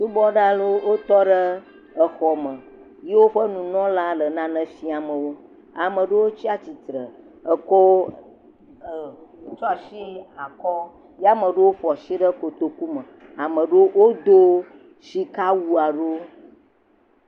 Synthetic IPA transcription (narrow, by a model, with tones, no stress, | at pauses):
nũ˦bɔ˦ɖa˦lo˦wo˦t̪ɔ˦ɖə˦ | ə˨xɔ˨mə̃˨ | je˦wo˦ɸə˦nũ˨nɔ̃˦la˦lə˨nã˦nə̃˨fi˦a˨mə̃˨wo˦ | a˨mə̃˨ɖə˦wo˦t͡ʃi˦a˨t͡ɕi˨t̪ɾə̰˨ | ə˨kɔ˦˨ | t͡ʃɔ˦a˨ʃi˦a˨kɔ˦ | ja˦mə̃˨ɖə˦wo˦ɸɔ˨ʃi˦ɖə˦ko˨t̪o˨ku˦mə̃˨a˨mə̃˨ɖə˦wo˦d̪o˦ | si˦ka˦wu˦a˨ɖo˦